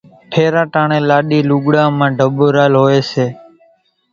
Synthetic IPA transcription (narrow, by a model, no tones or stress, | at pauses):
ʈʰeːɾãːʈãːɳẽːlaːɗiːluːɠɽãːmãːɖʱəɓoɾaːlɦoːeːseː